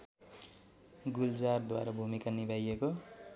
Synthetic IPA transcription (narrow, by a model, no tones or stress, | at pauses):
ɡuld͡zard̪wa̰ɾabʱumikanibajeko